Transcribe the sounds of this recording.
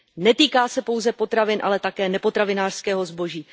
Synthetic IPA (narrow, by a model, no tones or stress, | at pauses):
nɛt̪iːkaːsɛpo̞wzɛpo̞t̪ɾavɪnʔa̰lɛt̪akɛːnɛpo̞t̪ɾavɪnaːr̥skɛːɦo̞zbo̞ʒiː